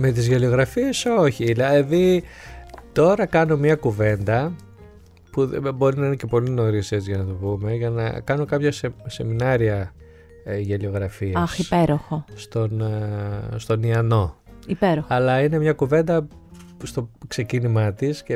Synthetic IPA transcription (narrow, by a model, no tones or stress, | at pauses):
me̞t̪̬izʝelio̞ɣɾɐfie̞so̞çilɐeði | t̪o̞ɾɐkɐno̞mɲɐkuve̞nd̪ɐ | pṵbo̞ɾinɐine̞ce̞po̞lino̞ɾisezʝɐnɐt̪oβume̞ʝɐnɐ̰kɐno̞kɐpçɐsese̞minɐɾiɐ | ʝelio̞ɣɾɐfiɐɐsipeɾoxost̪o̞n | st̪o̞niɐno̞ | ipeɾoxɐlɐine̞mɲɐkuve̞nd̪ɐst̪o̞kse̞cinimɐt̪isce